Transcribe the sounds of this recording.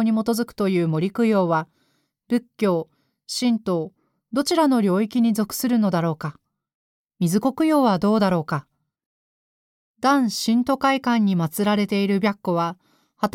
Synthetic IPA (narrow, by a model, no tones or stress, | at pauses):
ɲ̟imo̞t̪o̞zɨkɯ̟̥t̪o̞jɯ̟ːmo̞ɾʲikɯ̟jo̞ːβa | ɾɯ̟kʲːo̞ː | ɕĩnt̪o̞ | d̪o̞t͡ɕiɾano̞ɾʲo̞ːikʲiɲ̟izo̞kɯ̟̥sɨɾɯ̟no̞d̪aɾo̞ːka | mʲizɨko̞kɯ̟jo̞ːβad̪o̞ːd̪aɾo̞ːka | d̪ãɰ̃ɕĩnt̪o̞kaikãɲ̟ːimat͡sɨɾaɾe̞t̪e̞iɾɯ̟bʲjakːoβa | hat̪